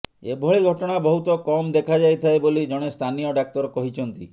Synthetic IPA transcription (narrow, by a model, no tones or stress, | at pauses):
ebʱɔɭiɡʱɔʈɔɽ̃abɔɦut̪ɔkɔmd̪ekʰad͡ʒajt̪ʰaebolid͡ʒɔɽ̃est̪ʰanijɔɖak̚t̪ɔɾɔkɔɦit͡ʃʰɔnt̪ḭ